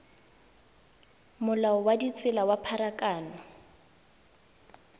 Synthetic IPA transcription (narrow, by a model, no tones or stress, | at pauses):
mʊlaɔwadit͡sʼɪlawapʰaɾakʼaːnɔ